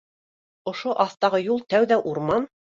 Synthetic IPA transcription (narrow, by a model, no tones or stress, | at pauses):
ŏʃoʔɑθt̪ɑʁɤjulˠt̪æwðæʔuɾmɑn